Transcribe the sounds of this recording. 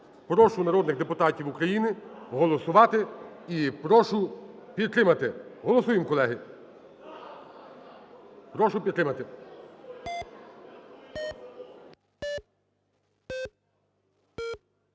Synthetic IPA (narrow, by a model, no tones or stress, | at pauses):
pɾɔʃʊnɐɾɔd̪nɪxd̪epʊt̪ɑtʲiwukɾɐjinɪɦɔlˠɔsʊʋɑt̪ɪipɾɔʃʊpʲid̪̚t̪ɾɪmɐt̪ɪɦɔlˠɔsujɪmkɔlˠɛɦɪ | pɾɔʃʊpʲid̪t̪ɾɪmɐt̪ɪ